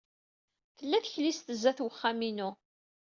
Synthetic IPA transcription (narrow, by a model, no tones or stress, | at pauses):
θəlːæθəçlist̪əzːæθwəχːaminu